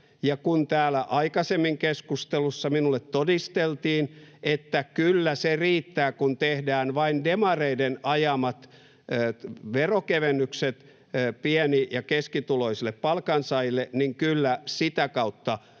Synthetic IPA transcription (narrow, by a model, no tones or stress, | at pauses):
jɑkunt̪æːlæʔɑikɑsemːiŋkeskust̪elusːɑminulːet̪todist̪elt̪iːnet̪ːækylːæseriːt̪ːæːkunt̪ehdæːnʋɑindemɑreidenɑjɑmɑt̪ː | ʋerokeʋenːykset̪ː | piɛnijɑkeskit̪uloisilːeppɑlkɑnsɑilːeniŋkylːæsit̪ækɑut̪ːɑ